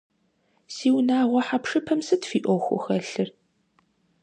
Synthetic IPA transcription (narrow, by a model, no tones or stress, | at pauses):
siːwnaːʁʷɔħapʂɨpʰɐmsɨtfiːʔʷɔxʷʊ̰xɐɬɨr